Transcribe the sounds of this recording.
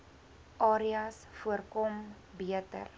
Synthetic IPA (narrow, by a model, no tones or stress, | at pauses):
ʔɑːɾiɐs | fuərkɔm | biətə̰r